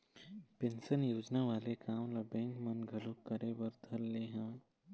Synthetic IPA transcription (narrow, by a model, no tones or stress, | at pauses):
pẽnsənjoːd͡ʒnaʋaːlekaːmlɐbẽːŋkmɐnɡʱəlõkəɾebəɾd̪ʱəlːeːɦãː